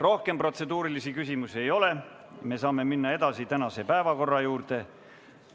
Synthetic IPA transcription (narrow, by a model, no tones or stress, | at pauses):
ro̞hke̞mpro̞t̪se̞d̪uːɾilisikysʲimusie̞jo̞le̞ | me̞ːsɑːme̞minːɑe̞d̪̥ɑsit̪ænɑse̞pæevɑko̞rːɑjuːɾdt̪e̞